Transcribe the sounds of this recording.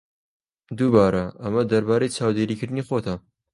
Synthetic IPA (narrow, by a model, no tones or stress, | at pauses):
d̪ubɑːɾɐʔɐmɐd̪ɐɾbaːɾejt͡ʃʰaːwd̪eːɾiːkɨɾd̪ɨniːxoːt̪ɐ